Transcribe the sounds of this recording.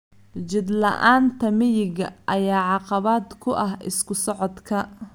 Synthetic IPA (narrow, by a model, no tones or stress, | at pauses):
t͡ʃɪd̪lɐ̰ʔaːnt̪ʰɐmɪjɪɣɐʔɐjaːʕɑqɑβaːd̪kʰʊʔɐɦɪ̰skʰʊsɔʕɔd̪kʰɐ